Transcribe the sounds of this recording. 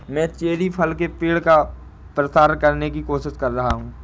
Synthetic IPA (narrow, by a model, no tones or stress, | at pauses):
mɛ̃ːt͡ʃeːɾipʰɐlkepeːɽka | pɾəsaːɾəkɐɾnekikoːʃɪʃkɐɾːɐɦaɦũː